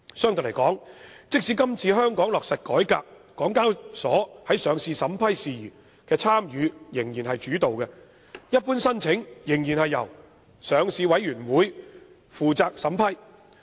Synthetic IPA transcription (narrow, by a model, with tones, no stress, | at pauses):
sœː˥ŋt̪o˨ljkɔː˨˥ŋt͡sɪ˥k̚siː˨˥kɐ˥mt͡sʰiː˧ɦœː˥ŋkɔː˨˥ŋlɔː˨k̚sɐ˨t̚kɔː˨˥jkaː˧k̚ːɔː˨˥ŋkaː˥wsɔ̰ː˨˥hɐ˨˥jsœː˨˧ŋsiː˧sɐ˨˥mpʰɐ˥jsiː˨jyː˨˩ | kɛː˧t͡sʰaː˥mjyː˨˧jɪ˨˩ŋjiː˨˩nɦɐ˨jt͡ʃyː˨˥t̪o˨wkɛ˧ | jɐ˥t̚puː˥nsɐ˥nt͡sʰɪ˨˥ŋjɪ˨˩ŋjiː˨˩nhɐ˨jːɐ̰˨˩w | sœː˨˧ŋsiː˧wɐ˨˥jɥyː˨˩nwuː˨˥j | fuː˨t͡saː˧k̚sɐ˨˥mpʰɐ˥j